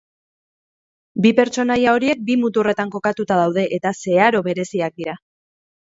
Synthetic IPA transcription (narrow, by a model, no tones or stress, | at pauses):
bipe̞ɾt͡ʃo̞najao̞ɾie̞k̚bimut̪ure̞t̪aŋko̞kat̪ut̪aðawð̞e̞ʔet̪ase̞aɾo̞βe̞ɾe̞siak̚d̪iɾa